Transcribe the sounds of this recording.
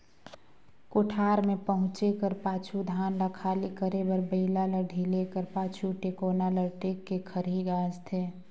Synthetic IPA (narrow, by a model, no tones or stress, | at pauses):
koʈʰaːɾmẽpəɦʊ̃t͡ʃekəɾpaːt͡ʃʰud̪ʱaːnləkʰaːlikəɾebəɾbəɪlaləɖʱilekəɾpaːt͡ʃʰuʈekoːnaləɾʈeːkːekʰəɾiɡaːd͡ʒt̪ʰeː